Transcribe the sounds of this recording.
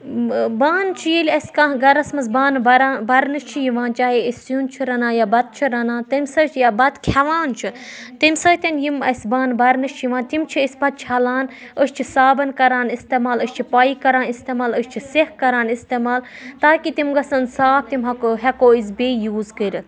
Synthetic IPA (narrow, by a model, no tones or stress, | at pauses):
baːnt͡ʃʰijilʲɐsʲkaɦɡɐɾɐsmɐsbaːnbɐɾaːnbɐɾnɨʃt͡ʃʰijiʋãːnt͡ʃaːɦeisjunt͡ʃʰiɾɐnaːjabɐt̪̚t͡ʃʰiɾɐnãːt̪ɐmʲsɐt͡ʃʰjabɐt̪kʲʰɐʋaːnt͡ʃʰit̪imʲsət̪ʲɐnjimɐ̰sʲbaːnbɐɾnɨʃt͡ʃʰjiʋaːnt̪imt͡ʃʰiisʲbɐt̪̚t͡ʃʰɐlaːn | əst͡ʃʰisaːbɐnkɐɾaːnist̪emaːləʃʲt͡ʃʰipaːikɐɾaːnist̪eːmaːləʃʲt͡ʃʰisehkɐɾaːnist̪eːmaːlt̪aːkit̪imɡɐsɐnsaːp̚t̪imɦɐkɦɛkoːizbeːjuːzkəɾ